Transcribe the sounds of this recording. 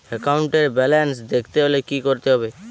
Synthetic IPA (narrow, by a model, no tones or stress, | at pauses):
ekaʊɳʈeɾbɛlensd̪ekʰt̪eɦolekikoɾt̪eɦɔbe